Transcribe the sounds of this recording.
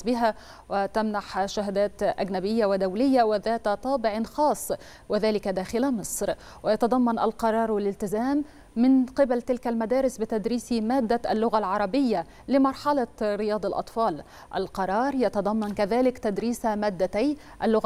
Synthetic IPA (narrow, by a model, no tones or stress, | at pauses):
bɪɦa | wɪt̪amnaħʃaɦd̪aːt̪ʔa̰ɡnabɪjːawɪd̪awlɪjːawɪðaːt̪t̪ˤɑːbɪʕnxɑːsˤː | wɪðaːlɪkad̪aːxɪlamɨsˤɾ | wɪjɑt̪ɑd̪ˤɑmːɑnʔalqɑɾˤɑːɾˤwalɪlt̪ɪzaːmː | ɪnqɪbalt̪ɪlkalmad̪æːɾɪsbɪt̪ad̪ɾiːsimaːd̪ːaʔalːʊɣalʕɑɾˤɑbɪjːa | lɪmɑɾˤħɑlɑɾɪjɑːd̪ˤɑlʔɑ̰t̪ˤfɑːl | ʔa̰lqɑɾˤɑːɾˤjɑt̪ɑd̪ˤɑmːɑnkaðaːlɪkt̪ad̪ɾiːsamaːd̪ːat̪aj | ʔalːʊɣ